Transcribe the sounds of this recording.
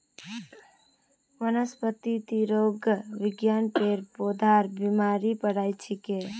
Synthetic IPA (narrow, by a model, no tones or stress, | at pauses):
mənəspət̪it̪iɾoɡəʋiɡjanpeɾpod̪ʱaɾbimaɾipəɽajt͡ʃʰike